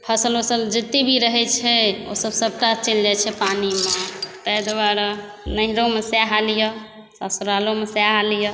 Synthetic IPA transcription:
pʰəsəlosəld͡ʒət̪ːibʱiɾəɦɛt͡ʃʰɛo̰səbsəb̚ʈat͡ʃeld͡ʒat͡ʃʰɛpanimet̪əjd̪ʋaɾ | nəɦiɾomesjaɦalijə | sasuɾalomesaɦalijə

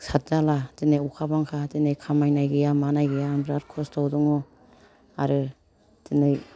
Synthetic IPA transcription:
sat̚daladinejukʰabaŋkʰadinejkʰamajnajɡejamanajɡejabɾaɾkʰɔstawduŋɔ | aɾɯ | tinɯj

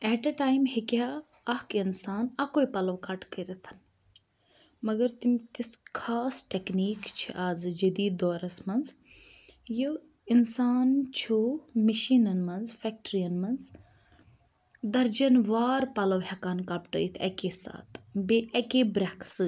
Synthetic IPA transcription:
ɛːʈɐʈaːjmhikaː | ɐkinsaːnɐkoːipɐlɐʋkɐʈkəɾɐt̪ʰɐ̥n | mɐɡɐɾt̪imt̪iskʰaːsʈekniːkt͡ʃʰiʔaːzd͡ʒɐd̪iːd̪oːɾɐsmɐnz | jo | insaːnt͡ʃʰomiʃiːnɐnmɐnzfɛk̚ʈɾijɐnmɐnz | d̪ɐɾd͡ʒɐnʋaːɾpɐlɐʋɦɛkaːnkɐpʈə̰it̪ʰɐ̰keːsa̰ːt̪ʰbeʔɐkebɾaksɨ

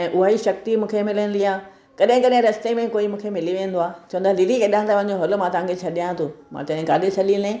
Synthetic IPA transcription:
ɛ̃ːʔʊɦaːiʃɐk̚t̪imũːkʰemɪlənɪ̆d̪iaː | kɐɗɦɪ̃kɐɗɦɪ̃ɾɐst̪emẽkoːimũːkʰemɪliʋẽːnd̪oaːt͡ɕɐʋə̃nd̪aliɾikeɗãnt̪aʋɐ̃ɦɲ̆d͡ʑoɦʊlmãːt̪aːŋɡɪt͡ɕʰɐɗijãt̪ʰoːmã̰t̪ɐ̃ɦɪ̃ɡaːdesʰɐlilẽː

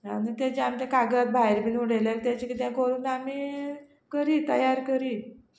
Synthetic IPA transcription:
a̰nit̪at͡ɕeamt͡ɕakaɡat̪̚bʱaeɾbinuɽelalt̪jat͡ɕikit̪jãkəɾuːnamiː | kəɾiːt̪əjaɾkəɾiː

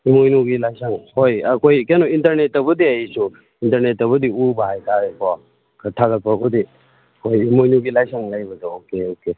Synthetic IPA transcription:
imojnuɡilajsaŋhojɐkʰojkenointɐɾnetɐbɐdiɐjsu | intɐɾnetːɐβɐdiubaɦajkʰaɾekʰɔa | kʰatʰaɡɐt̚pɐkʰodi | kojimojnuɡilajsaŋlajbɐdookeoke

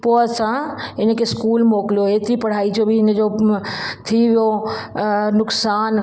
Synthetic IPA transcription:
poːsãɦɪnə̆kʰeskuːlmoːklijoeːt̪ɾipɐɽ̤aːid͡ʑobɪɦɪnə̆d͡ʑo | t̪ʰiʋijo | nʊksaːn

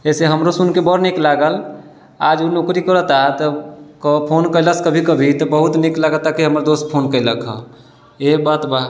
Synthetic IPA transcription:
ɛseɦəmɾosunkebɔɾniklaɡəl | ad͡ʒunokɾikəɾət̪at̪ɔkpʰonkələskəbʱikəbʱit̪ɔbəɦut̪niklaɡət̪akiɦəmɾod̪ospʰonkəɪləkʰɦə̰ | ebat̪ba

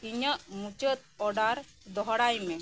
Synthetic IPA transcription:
iɲəʔmut͡ʃət̪̚ɔɖaɾ | d̪ɔɦɔɽajmɛ

